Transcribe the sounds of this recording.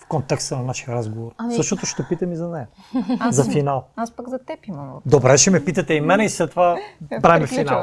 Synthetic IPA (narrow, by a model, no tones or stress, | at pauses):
fkont̪ɛkst̪ənɐnaʃijɐɾazɡovoɾsəʃt̪ot̪oʃt̪ɛpit̪ɐmizɐnɛjɐ | zɐfinalˠaspaɡzɐt̪ɛpimd̪obɾɛʃɛmɛpit̪ɐt̪ɛimɛnɛislɛt̪ːovabɾaimɛfinalˠ